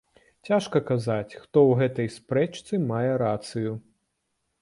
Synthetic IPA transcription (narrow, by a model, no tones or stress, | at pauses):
t͡sʲaʂkɐkazat͡sʲxt̪ɔwɣɛt̪ɐjspɾɛt͡ʂt̪sɨmajɛɾat̪sɨju